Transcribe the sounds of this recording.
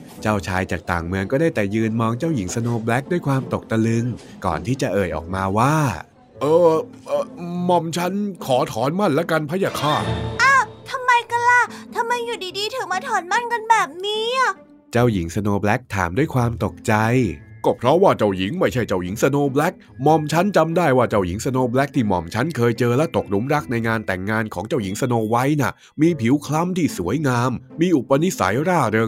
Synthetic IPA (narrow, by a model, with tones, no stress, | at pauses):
t͡ɕaː˥˩wt͡ɕʰaː˧jt͡ɕa̰ː˨˩k̚t̪a̰ː˨˩ŋmɯ˧əŋkɔː˥˩daː˥˩jt̪ɛː˨˩jɯː˧nmɔː˧ŋt͡ɕaː˥˩wji˩˦ŋsa˧noː˧blɛ˦˥k̚du˥˩əjkʰwaː˧mt̪o˨˩k̚t̪a˧lɯ˧ŋ | kɔ̰ː˨˩nt̪ʰiː˥˩t͡ɕa˨˩ʔɤː˨˩jʔɔ̰ː˨˩k̚maː˧waː˥˩ | ʔɤː˧ | ʔɤː˧˩mɔ˧˩mt͡ɕʰa˦˥nkʰɔː˩˦t̪ʰɔː˨˩˦nma˥˩nlɛ˦˥ka˧npʰa˦˥jaː˧˩kʰaː˧˩ʔaː˧˩t̪ʰa˧mːa˧jka˧˩la˧˩t̪ʰa˧mːa˧jːuː˨˩diː˧diː˧t̪ʰɯː˩˦maː˧t̪ʰɔː˨˦nma˥˩nka˧nbɛː˨˩p̚niː˦˥a˨˩ | t͡ɕa˧˩wji˨˩˦ŋsa˧noː˧blɛ˦˥k̚t̪ʰa̰ː˩˦mdu˥˩əjkʰwaː˧mt̪o˨˩k̚t͡ɕa˧jkɔ˧˩pʰɾɔ˦˥waː˥˩t͡ɕa˧˩wji˨˩˦ŋma˥˩jt͡ɕʰa˥˩jt͡ɕa˧˨˩wji˩˦ŋsa˧noː˧blɛ˦˥k̚mɔː˧mt͡ɕʰa˦˥nt͡ɕa˧mdaː˥˩jwaː˥˩t͡ɕa˧˩wji˨˩˦ŋsa˧noː˧blɛ˦˥k̚t̪ʰiː˥˩mɔ̰˧˩mt͡ɕʰa˦˥nkʰɤː˧jt͡ɕɤː˧lɛ˦˥t̪o˨˩k̚ɾu˦˥mɾa˦˥k̚na˧jŋaː˧nt̪ɛ˨˩ŋːaː˧nkʰɔː˩˦ŋt͡ɕa˥˩wji˨˩˦ŋsa˧noː˧wa˦˥jna˧˩ | miː˧pʰi˨˩˦wkʰla˦˥˨mt̪ʰiː˥˩su˩˦əjŋaː˧mːiː˧ʔu˨˩pːa˧ni˦˥sa̰˩˦jɾaː˥˩ɾɤː˧ŋ